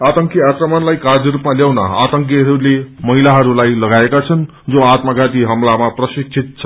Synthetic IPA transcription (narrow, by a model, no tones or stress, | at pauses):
at̪ʌŋkjiakrʌmanlajkard̪ʌɾupmaljawna̰at̪ʌŋk̬jiɦʌɾulemʌɦilaɦʌɾulajlʌɡaekat͡sʰʌn | d͡zoat̪maɡat̪iɦʌmlamaprʌsik̚sʰit̪̚t͡sʰʌ̥